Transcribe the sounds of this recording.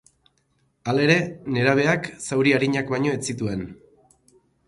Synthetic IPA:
ale̞ɾe̞ne̞ɾaβ̞e̞aksawɾiaɾiɲakbaɲo̞et͡sit̪ue̞n

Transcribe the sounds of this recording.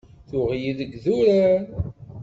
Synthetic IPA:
θʊʁjiðəɡðuɾa

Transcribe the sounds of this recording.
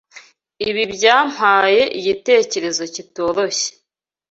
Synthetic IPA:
iβibɟaːm̥haːje̞ʔiɟite̞ːce̞ɾe̞zo̞cito̞ɾo̞ɕe̥

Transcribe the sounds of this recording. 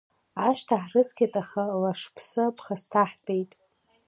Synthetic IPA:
aʃtʰaħrɨzkʲatʼaχalaʂpʰsɨpʰχastʰaħbʼejtʼ

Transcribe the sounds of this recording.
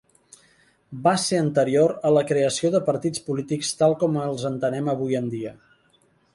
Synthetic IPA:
baseənt̪əɾioɾələkɾeəsioðəpəɾt̪it͡spulit̪ikst̪alˠkɔməlˠzənt̪ənɛməβ̞ujənd̪iə

